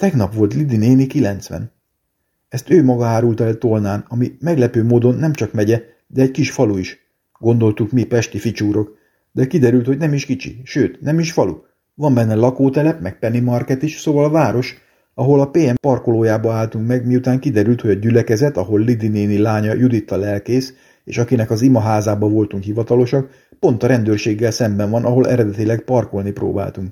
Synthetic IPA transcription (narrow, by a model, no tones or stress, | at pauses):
t̪ɛɡnɒpʋo̞lt̪lid̪ineːnikilɛnt̪sʋɛ̰n | ɛst̪øːmɒɡɒaːɾult̪ɛlt̪olnaːnɒmimɛɡlɛpøːmoːd̪o̞nːɛmt͡ʃɒkmɛɟɛ | d̪ɛːɟkiʃfɒluiʃ | ɡ̥o̞nd̪o̞lt̪ukmipɛʃt̪ifit͡ʃuːɾo̞k | d̪ɛkid̪ɛɾylt̪ho̞ɟnɛmiʃkit͡ʃḭʃøːt̪nɛmiʃfɒlṵ | vɒmbɛnːɛlɒkoːt̪ɛlɛpmɛk̚pɛnimɒrkɛt̪iʃsoːvɒlɒvaːɾo̞ʃ | ɒɦo̞lɒpeːɛmpɒrko̞loːjaːbɒaːlt̪uŋkmɛɡmijut̪aːŋkid̪ɛɾylt̪ho̞ɟɒɟylɛkɛzɛt̪ɒɦo̞lːid̪ineːnilaːɲɒjud̪it̪ːɒlɛlkeːs | ḛːʃɒkinɛkɒzimɒɦaːzaːbɒvo̞lt̪uŋkhivɒt̪ɒlo̞ʃɒk | po̞nt̪ɒɾɛnd̪øːrʃeːɡːɛlsɛmbɛɱvɒnʔɒɦo̞lʔɛ̰ɾɛd̪ɛt̪ilɛɡpɒrko̞lnipɾo̰ːba̰ːlt̪uŋk